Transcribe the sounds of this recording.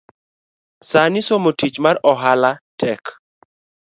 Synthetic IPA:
sanɪsomotit͡ʃmarɔɦalatʰɛk

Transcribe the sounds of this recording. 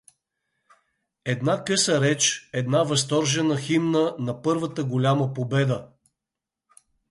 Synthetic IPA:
ɛd̪nakɤsəɾɛt͡ʃɛd̪navɐs̬t̪ɔɾʒɛnəximnənɐpɤɾvət̪əɡolʲaməpobɛd̪ə

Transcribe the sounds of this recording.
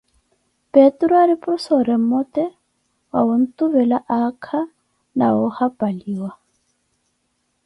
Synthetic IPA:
pʼetʼɾɔaɾɪpʼrʊsɔɾɛm̩mɔtʼɛ | wa̰ʊn̩tʼʊbɛlaʔakʰa | na̰ʊhapʼaliːwa

